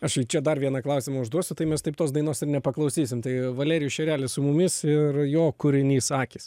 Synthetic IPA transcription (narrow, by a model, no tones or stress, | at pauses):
ɐʃit͡ʃʲɛd̪ɐrʋʲiɛnɐklˠɐʊsʲɪmɐʊʒd̪uɔsʲʊt̪ɐɪmʲɛst̪ɐɪpt̪oːsd̪ɐɪnoːsɪrnʲɛpɐklˠɐʊsʲiːsʲɪmt̪ɐɪʋɐlʲɛːɾʲɪjʊʃʲɛɾʲæːlʲɪsʊmʊmʲɪsɪrjoːkʊɾʲɪnʲiːsɑːkʲiːs